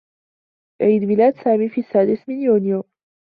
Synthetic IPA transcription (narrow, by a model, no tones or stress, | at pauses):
bʕiːd̪mɪlaːd̪saːmiːfiasːaːd̪ɪsmɪnjuːnɪjoː